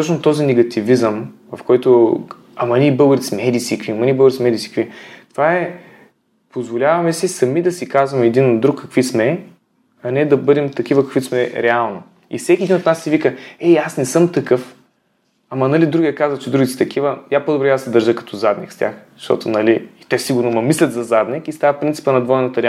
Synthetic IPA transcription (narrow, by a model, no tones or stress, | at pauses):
t̪ɔt͡ʃnot̪ɔzinɛɡɐt̪ivizəmvɐfkɔjt̪o | ɐmɐnʲiːbɤlbəɾit̪sʲmɛd̪isʲikviɐmɐnʲibəɡɾismɛd̪isi̥kvit̪ovaɛ | pozvolʲavɐmɛsisɐmid̪ɐsikazvɐmɛd̪inod̪ɾukːɐkvismɛ | ɐnɛd̪ɐbɤd̪ɛmt̪ɐk̟ivəkɐkvit̪smɛɾɛalˠno | ḭfsɛkʲiɛd̪inot̪nasːivikəɛasnɛsɤmt̪ɐkɤf | ɐmɐnɐlid̪ɾuɡʲiɛkazvət͡ʃɛd̪ɾuɡit̪sʲt̪ɐkʰivəjapod̪obɾɛjad̪sɛd̪əɾʒəkɐ̥t̪ɔzad̪nḭkst̪ʲa̰x | ʃt̪ɔ̰t̪ʊnɐliit̪ɛsiɡʊɾnomɐmislʲɐt̪zɐzad̪nikist̪avəpɾint̪si̥pənɐd̪vɔjnɐt̪əɾɛ